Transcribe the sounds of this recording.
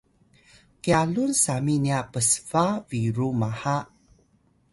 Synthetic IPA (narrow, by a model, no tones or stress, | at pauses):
kialunsaminiapəsvaviɾumaha